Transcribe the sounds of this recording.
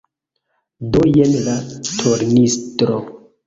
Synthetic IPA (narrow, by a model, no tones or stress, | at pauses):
dojeneɾatʰoɾnistɾo